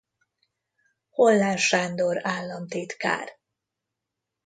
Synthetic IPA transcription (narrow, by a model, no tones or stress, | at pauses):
holːaːnʃaːnd̪oɾaːlːɒnt̪eːt̪ka̰ːr